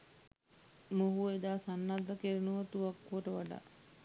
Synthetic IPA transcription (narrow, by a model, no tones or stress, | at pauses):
muɦued̪aːsanːad̪ːəkeɾinuʋət̪uʋakːuʋəʈəʋaɖa̰ː